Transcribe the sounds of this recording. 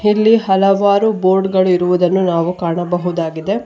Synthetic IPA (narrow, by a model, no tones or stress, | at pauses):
ilːiɦɐlɐʋaːɾubo̞ːɾɖɡɐɭuiɾuʋud̪ɐnːunaːʋukaːɳɐbɐɦud̪aːɡid̪e̞